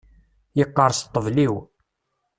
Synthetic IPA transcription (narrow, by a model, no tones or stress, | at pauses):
jəqːəɾˤst̪ˤːəvliw